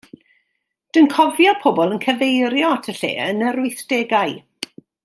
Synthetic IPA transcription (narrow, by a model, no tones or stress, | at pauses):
d̥ənkʰɔvjɔpʰɔbɔlˠənkʰəvejɾjɔtʰəɬḛːənəɾʊɨθd̥eɡaɨ